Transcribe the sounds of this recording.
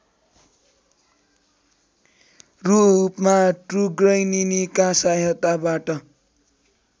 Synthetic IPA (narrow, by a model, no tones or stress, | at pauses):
rupmaʈruɡrʌjninikasajʌt̪abaʈʌ